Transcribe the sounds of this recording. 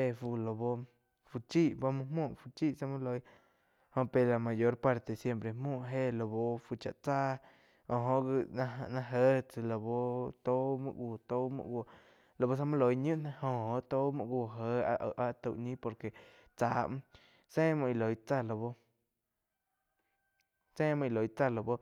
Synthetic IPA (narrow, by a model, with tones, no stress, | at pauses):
e˧˨fu˧lo˨bo˧ | fu˧t͡ʃi˦ʔba˧mũ˧mũ˦˨ʔfu˧t͡ʃi˦˨ʔsa˧mũ˦lo˧j | hõ˧˨pe˧la˧˨mã˨jo˧˦ɾpa˧ɾt̪e˧˨sje˧mpɾe˨mũ˦˨ɦe˦˨lo˧bo˧fu˧t͡ʃa̰˨ʔt͡sa˦ | o˧˨ɦõ˧˦ʔɡi˧˨˧nã˧ɦə˦t͡sɨ˧˨lo˧bo˧t̪o˦mɨ̰̃˧ɡʷu˧˨t̪o˦mṵ̃˧˨ɡʷo˧˨ | lo˧˨bo˧s̬a˧mũ˦lo˨˧jɲũ˦ʔnã˧hõ˧o˧ʔt̪o˦mṵ̃˧˨ɡʷu˧˨ɦə˧˦a˧ʔʔa˧t̪u˧˨ʔɲĩ˦po˧ɾke˨ | t͡saː˧˦ʔm̃˦ | sẽ˦mɔ̃˧i˧lo˨˧jt͡sa˦˨lo˧bo˧ | sẽː˦mɨ̃˧i˧lo˨jt͡sa˦˧˨lo˧˨bo˧